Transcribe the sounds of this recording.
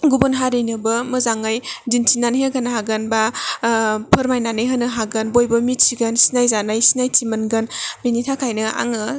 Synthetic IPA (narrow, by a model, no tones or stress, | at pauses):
ɡubunɦaɾijnɯbɯmɯzaŋajdintʰinanɦeɡanhaɡɯnba | pʰɯɾmajnanɯjɦanɯɦaɡɯnbojbɯmit̚siɡɯnsi̥najzanajsinajtʰimɯnɡɯnbinitʰakʰajnɯa̰ŋɯ